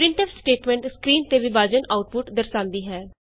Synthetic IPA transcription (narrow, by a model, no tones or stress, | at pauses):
pɾɪ̃ɳʈəpsʈeːʈmɛ̃ːɳʈskɾiːnt̪eːʋibaːd͡ʒənaːʊʈ̚pʊʈd̪əɾsãːnd̪iːɦɛː